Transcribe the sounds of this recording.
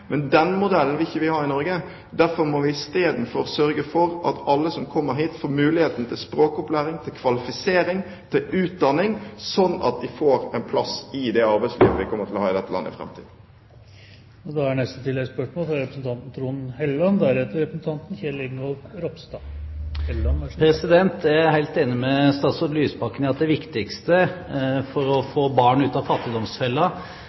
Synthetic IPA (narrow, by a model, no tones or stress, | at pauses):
mʔɛnd̪ɛnmʊd̪ɛln̩ʋɪɪçːəʋɪhɑːɾɪnɔɾɡə | d̪æɾfɔɾmoːʋɪɪst̪eːd̪n̩fɔɾsœɾɡəfɔɾʔɑ̰t̪ʰɑlːəsɔmkʰɔmːəɾɦiːt̪foːɾmʉːlɪheːt̪n̩t̪ʰɪlspɾoːkɔplæːɾɪŋt̪ʰɪlkʰʋɑlɪfɪseːɾɪŋ | t̪ʰɪlʉːt̪̚d̪ɑnːɪŋsɔnːɑ̰t̪̚d̪ɪfoːɾɛnpʰlɑsɪd̪ɛɑɾbæɪslḭːʋə̰ʋɪkʰɔmːət̪ʰɪlɔhɑːɪd̪ɛt̪ːəlɑ̰nːə̰ɪ̰fɾɛ̰mt̪ʰiːd̪̩ | ɔd̪ɑhæɳɛst̪ət̪ʰɪlːɛɡspœʂmoːlfɾɑɾɛpɾəsn̩t̪ʰɑnt̪n̩t̪ʰɾuːnhɛlːɑnd̪æɾhɛt̪əɾɛpɾəsn̩t̪ʰɑnt̪nçɛlɪɡnɡɔlfɾɔpst̪ɑɛlɑnpʰɾɛsɪd̪ɛnt̪æɦæɪlt̪eːnɪmɛst̪ɑːt̪sɔlyːspɑkːənɪɑt̪̚d̪ɛʋɪkt̪ɪkst̪əfɔɾɔfoːbɑːɳʉːt̪ɑfɑt̪ːɪd̪ɔmsfɛlːɑ